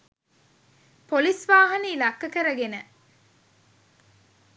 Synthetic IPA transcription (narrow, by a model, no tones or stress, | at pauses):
polisʋaːɦɐniːlɐkːɐkɐɾɐɡenə